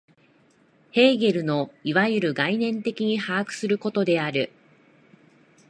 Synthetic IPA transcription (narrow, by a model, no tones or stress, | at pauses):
he̞ːɡe̞ɾɯ̟no̞iβajɯɾɯ̟ɡainẽ̞nt̪e̞kʲiɲ̟ihaːkɯ̟̥sɨɾɯ̟ko̞t̪o̞d̪e̞aɾɯ̟